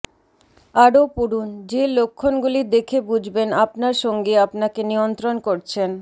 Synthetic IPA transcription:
aɾopuɽund͡ʑelokʰːonɡulid̪ekʰebud͡ʑʱbenapnaɾʃɔŋɡeapnakenijont̪ɾonkoɾt͡ɕʰen

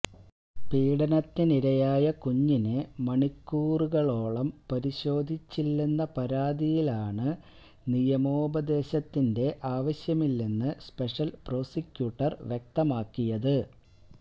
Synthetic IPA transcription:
piːɽɐnɐt̪ːiniɾɐjaːjɐkuɲːinɨmɐɳikːuːruɣɐɭo̞ːɭɐmpɐɾiɕo̞ːd̪ʱit͡ɕːilːenːɐpɐɾaːd̪ijilaːɳɨ | nijɐmoːbɐd̪e̞ːɕɐt̪ːinde̞ʔaːʋɐɕjɐmilːinːɨspe̞ʂɐlpro̞ːsikʲːjuːʈːɐrʋjek̚t̪ɐmaːkːijɐðɨ

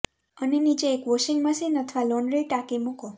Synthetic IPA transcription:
ənenit͡ʃeːkʋoʃiŋɡməsinət̪ʰʋaloɳɖɾiʈakemuko

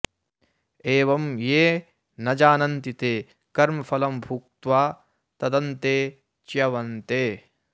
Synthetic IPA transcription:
eːʋɐmjeː | nɐd͡ʒaːnɐnt̪it̪eː | kɐɾmɐfʰɐlɐmbʱuk̚t̪ʋaː | t̪ɐd̪ɐnt̪eː | t͡ʃjɐʋɐnt̪eː

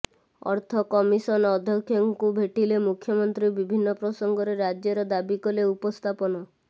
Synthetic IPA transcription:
ɔ̰ɾt̪ʰɔkɔmisɔnɔd̪ʱjɔkʰjɔŋkubʱeʈilemukʰjɔmɔnt̪ɾibibʱinːɔpɾɔsɔŋɡɔɾeɾad͡ʒjɔɾɔd̪abikɔleupɔst̪ʰapɔnɔ

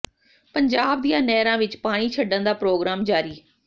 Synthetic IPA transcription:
pəɲd͡ʒaːb̚d̪ijãːnɛːɾãːʋɪt͡ʃpaːɽ̃iːt͡ʃʰəɖə̃nd̪aːpɾoːɡɾaːmd͡ʒaːɾiː

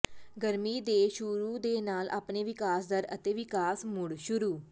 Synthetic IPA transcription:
ɡəɾmiːd̪eːʃʊɾuːd̪eːnaːlʔa̰ːpneːʋɪkaːsd̪əɾə̰t̪eːʋɪkaːsmʊɽʃʊɾuː

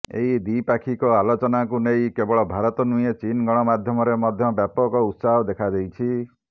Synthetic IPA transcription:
ḛɦid̪ipakʰikɔalot͡ʃɔnak̬unejkebɔɭɔbʱaɾɔt̪ɔnujet͡ʃinɡɔɽ̃ɔmad̪ʱjɔmɔɾemɔd̪ʱjɔbjapɔkɔut̪saɦɔd̪ekʰad͡ʒejt͡ʃʰi

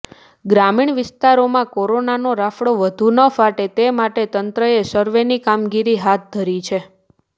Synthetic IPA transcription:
ɡɾamiɳʋɪst̪aɾomãkoɾonanoɾafɽoʋəd̪ʱunəfaʈet̪emaʈet̪ənt̪ɾəesəɾʋenikamɡiɾiɦat̪̚d̪ʱəɾit͡ʃʰe

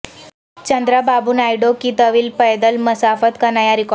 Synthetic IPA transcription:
t͡ɕənd̪ɾababuːnajɽokit̪əʋiːlpəjd̪əlməsafət̪kənajaɾik

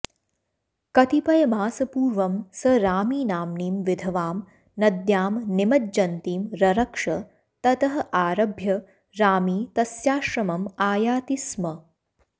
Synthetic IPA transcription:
kɐt̪ipɐjɐmaːsɐpuːɾʋɐmsɐɾaːmiːnaːmniːmʋid̪ʱɐʋaːm | nɐd̪jaːmnɪmɐd͡ʒɐnt̪iːmɾɐɾɐkʂɐ | t̪ɐt̪ɐɦɐʔaːɾɐbʱjɐ | ɾaːmiːt̪ɐsjaːʃɾɐmɐmaːjaːt̪ismɐ

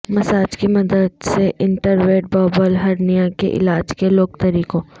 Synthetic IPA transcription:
mɐsaːd͡ʒkimɐd̪əd̪seʔɪ̃ɳʈəɾʋeːʈ̚bɔːbəlɦɐɾnijãkḛʔɪ̰laːd͡ʒkeloːk̚t̪ɐɾiːkõː

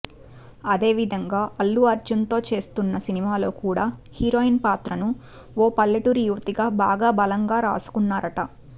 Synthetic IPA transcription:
ɐd̪e̞ːʋid̪ʱɐŋɡaːʔɐlːuɐɾd͡ʒunt̪o̞ːt͡ʃe̞ːst̪unːɐsinimaːlo̞ːkuːɽaːhiɾo̞ːinpaːt̪ɾɐnu | oːpɐlːɐʈuɾijuʋɐt̪iɡaːbaːɡaːbɐlɐŋɡaːɾa̰ːsu̥kunːaːɾɐʈɐ

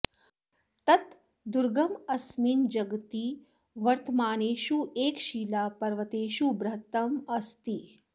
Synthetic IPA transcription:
t̪ɐt̪ | d̪uɾɡɐmɐsmiːnd͡ʒɐɡt̪i | ʋɐɾt̪ɐmaːneːʃueːkʃiːlaːpɐɾʋɐt̪eːʃubɾɐɦt̪ɐmɐst̪i

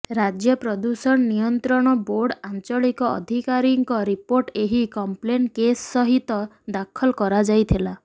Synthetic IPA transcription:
ɾad͡ʒjɔpɾɔd̪usɔnnijɔnt̪ɾɔɽ̃ɔboɾɖant͡ʃɔɭikɔɔ̰d̪ʱikaɾiŋkɔɾipoɾʈeɦikɔmplenkesːɔɦit̪ɔ | d̪akʰɔlkɔɾad͡ʒajt̪ʰila

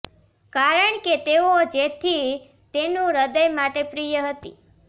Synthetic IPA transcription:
kaɾəɳket̪eod͡ʒet̪ʰi | t̪enũɾəd̪əjmaʈepɾijəɦət̪ḭ

